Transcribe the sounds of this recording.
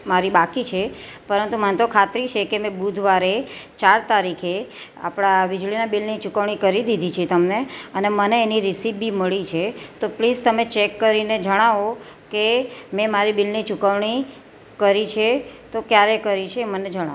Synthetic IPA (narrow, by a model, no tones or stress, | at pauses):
maɾibakit͡ʃʰepəɾənt̪umənt̪okʰat̪ɾit͡ʃʰekemɛ̃bud̪ʱʋaɾet͡ʃaɾt̪aɾikʰe | a̰pɽ̃aʋid͡ʒɭinabilnit͡ʃukəʋɳ̃ikəɾid̪id̪ʱit͡ʃʰet̪əmneəneməneːniɾisibbiməɭit͡ʃʰet̪oplizt̪əmet͡ʃekːəɾined͡ʒəɽ̃aʋo | kemɛ̃maɾibilnit͡ʃukəʋɳ̃i | kəɾit͡ʃʰet̪okjaɾekəɾit͡ʃʰeːməned͡ʒəɽ̃a̰